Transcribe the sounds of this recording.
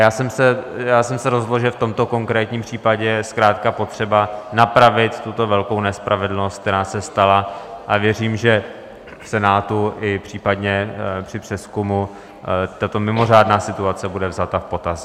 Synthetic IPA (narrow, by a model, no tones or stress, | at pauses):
jaːsɛmsɛjaːsɛmsɛɾozɦdlolʒɛft̪o̞mt̪o̞koŋkɾɛːt̪ɲiːmpr̥iːpaɟɛjɛskɾaːt̪kapo̞t̪r̝̥ɛbanapɾavɪt̪t̪ut̪o̞vɛlko̞wnɛspɾavɛdl̩nost̪k̚t̪ɛɾaːsɛst̪alaʔavjɛriːmʒɛ | fsɛnaːt̪uʔɪpr̝̥iːpad̪ɲɛpr̥ɪpr̝̥ɛskumu | t̪at̪o̞mɪmo̞r̝aːdnaːsɪt̪uat͡sɛbudɛvzat̪afpo̞t̪as